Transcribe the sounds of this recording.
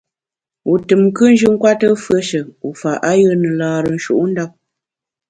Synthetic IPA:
u˨tɨ˨mkɨ˦n˦d͡ʒɨ˦ŋ̩˦kwa˦tə˦fɰə˦ʃə˨u˨fa˨ʔa˦jə˦nə˨laː˨ɾə˨n̩˦ʃṵ˦ʔu˦n̩˦da˦p̚

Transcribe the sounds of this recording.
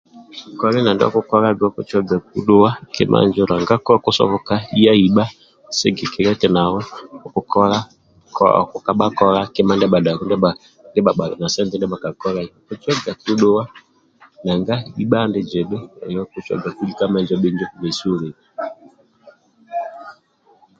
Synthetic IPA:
kɔ˦lɛ˦na˨ndɔ̰˦ku˦kɔ˦ɾa˦ɡɔ˦ku˦t͡ʃɔ˦ɡa˨k̚u˦ɗo˦wa˦kɛ̰˦mʔa̰˦nd͡ʒɔ˦la˨ŋɡa˦kɔ˦ku˦sɔ̰˦βɔ˨ka˦i˦a˦i˨ɓa˦ | se˦ɡɛ˨kɛ˨ɾɛ˦tɛ˨na˨wɔ˦ɔ˨ku˨kɔ˦ɾa˦ | kɔ̰˦˨kɔ˨ka˨ɓa˦kɔ˦ɾa˦kɛ˦ma˦ndɛ˦ɓa˨da˨kɔ˦ndɛ˦a˨ | ndɛ˦ɓa˨ɓa˨na˨sɛ˦ntɛ˦ndɛ˦ɓa˨ka˨kɔ˦ɾa˦˨ku˦t͡ʃɔ˦ɡa˨ku˦ɗo˦wa˦ | na˨ŋɡa˦i˦ɓa˦ndɛ˦d͡ʒɛ˨ɗɛ˦ɔ̰˨jɔ˦ku˦t͡ʃɔ̰˦ɡa˨ku˦li˦ka˦ma˦˨nd͡ʒɔ˦ɓe˦ɲd͡ʒɔ˦ku˨vɛ˨so˦ɾe˨a˨

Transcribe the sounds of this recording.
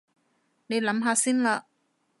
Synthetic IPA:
ne˨˧jlɐ˨˥mɦaː˧siː˥nlaː˧

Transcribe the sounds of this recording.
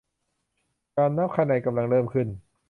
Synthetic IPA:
kaː˧nːa˦˥p̚kʰaː˧˩na˨˦jka˧mla˧ŋlɤː˧˩mkʰɯ˧˩n

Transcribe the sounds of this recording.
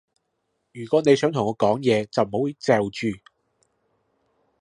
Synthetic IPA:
jyː˨˩kʷɔː˨˥ne˨˧jsœː˨˥ŋt̪ʰʊ˨˩ŋɔː˨˧˥kɔː˨˥ŋjɛː˨˧t͡sɐ˨wm̩˨˩ho˨˥wji˧˥t͡sɛː˨wt͡ʃyː˨

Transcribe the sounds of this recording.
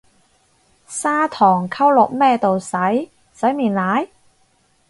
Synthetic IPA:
saː˥t̪ʰɔː˨˩ŋkʰɐ˥wlʊ˨k̚mɛː˥t̪o˨wsɐ˨˥j | sɐ˨˥jmiː˨nlaː˨˥j

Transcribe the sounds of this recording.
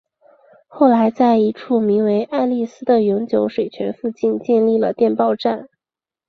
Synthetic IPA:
xo˥˩ʊla˧˥ɪt͡sa˥˩ɪi˧˥ʈ͡ʂʰu˥˩mi˧˥ŋwe˧˥ɪʔa˥˧li˥˩sɹ̩˥d̪ə˨jʊ˧˥ŋt͡ɕjo˧˥ʊʂwe˨˩ɪt͡ɕʰɥɛ˧˥nfu˥˧t͡ɕi˥˧nt͡ɕjɛ˥˧nli˥˩lə̰˩t̪jɛ˥˧npɑ˥˧ʊʈ͡ʂa˥˩n

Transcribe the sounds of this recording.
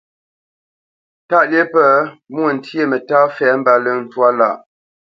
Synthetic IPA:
ta˦ʔlje˦pə˨˦mwə˨n̩˨tʰje˦˨mə˨ta˦fɛ˨˦m̩˦ba˨lə˦n̩˨twa˦la˦˨ʔ

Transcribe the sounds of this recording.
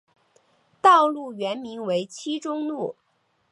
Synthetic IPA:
t̪ɑ˥˧ʊlu˥˩ɥɛ˧˥nmi˧˥ŋwe˧˥ɪt͡ɕʰi˥ʈ͡ʂʊ˥ŋnu˥˩

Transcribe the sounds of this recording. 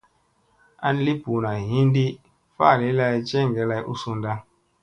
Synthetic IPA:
a˦n˦li˦pu˨na˨ɦĩ˦n˦di˦ | fa̰˦˨li˦la˦i˦t͡ʃɛ˦˨ŋ˨ɡɛ˨˦la˦jʔṵ˦su˦nda˦

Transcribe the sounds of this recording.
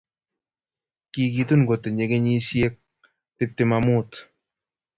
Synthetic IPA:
ki˨kit̪u˦nɡo˨t̪e˨ɲe˨ke˦ɲi˦sje˦k̚ | tɪp̚t̪ɪmamu˦t

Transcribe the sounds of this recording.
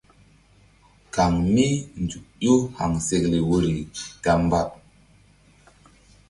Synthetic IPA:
ka˨ŋmi˦n˨du˨ʔjo˦ha̰˨ŋse˨kle˨wo˦ɾi˨ɡ̥a˨m˦ba˦p̚

